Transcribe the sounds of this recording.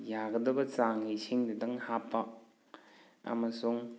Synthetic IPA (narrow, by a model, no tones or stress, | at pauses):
jaɡɐdɐbɐt͡saŋisʰiŋdɐdɐŋhapːɐ | ɐ̰mɐsuŋ